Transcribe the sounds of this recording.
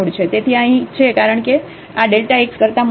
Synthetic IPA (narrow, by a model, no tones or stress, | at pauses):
ɽt͡ʃʰet̪et̪ʰiəɦĩt͡ʃʰekaɾəɳke | aɖelʈaekskəɾt̪am